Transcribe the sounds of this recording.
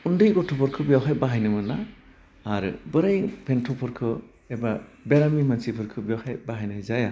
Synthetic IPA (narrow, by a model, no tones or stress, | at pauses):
undɯjɡɔtʰɔpʰɔɾkʰɯbijawɦajbaɦajnɯmɯnaː | ɾɯ̰bɯɾajpʰentʰɔpʰɯɾkʰɯ | ebabeɾamimansipʰɯɾkʰɯbijawhajbaɦajnazaja